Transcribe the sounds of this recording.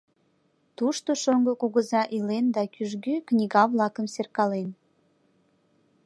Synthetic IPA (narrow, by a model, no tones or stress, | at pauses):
t̪uʃt̪oʃoŋɡokuɣəzɑʔilend̪ɑkyʒɡyknʲiɣɑβlɑkəmserkɑlen